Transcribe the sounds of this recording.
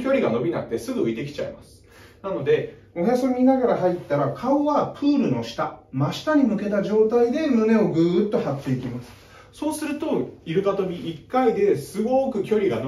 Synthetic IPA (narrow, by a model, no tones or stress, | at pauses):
kʲo̞ɾʲiɡano̞bʲinakɯ̟t̪e̞sɨɡɯ̟ɯ̟it̪e̞kʲi̥t͡ɕa̰ḭma̰sɨ̥ | nano̞d̪e̞ | ohjasoɲʲːinaɡaɾaɦait̪ːaɾakʰaoβapʰɯːɾɯ̟no̞ɕi̥t̪amaɕi̥t̪aɲ̟imɯ̟ke̞t̪aʑo̞ːt̪aid̪e̞mɯ̟ne̞o̞ɡɯ̟ːt̪ːo̞hat̪ʲːeikʲimasɨ̥ | so̞ːsɨɾɯ̟t̪o̞iɾɯ̟bat̪o̞bʲiʔikːaid̪e̞sɨɡokɯ̟kʲo̞ɾʲiɡano